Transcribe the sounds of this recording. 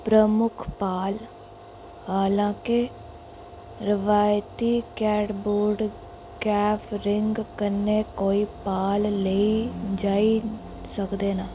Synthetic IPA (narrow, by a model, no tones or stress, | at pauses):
pɾəmʊkʰpaːl | haːlãːkɪ | ɾɪʋaːjt̪iːkɛːɖboːɾɖ | kɛːpʰɾɪŋɡkəneːkoːiːpaːlleid͡ʒaːi | səkd̪eːnaː